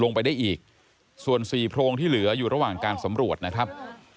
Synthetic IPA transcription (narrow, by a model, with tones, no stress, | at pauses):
lo˧ŋpa˧jda˥˩jʔiː˨˩k̚ | su˨˩ənsiː˨˩pʰɾoː˧ŋt̪ʰiː˥˩lɯ˩˦ɐjuː˨˩ɾa˧waː˨˩ŋkaː˧nsa˩˦mɾu˨˩ət̪̚na˦˥kʰɾa˦˥p̚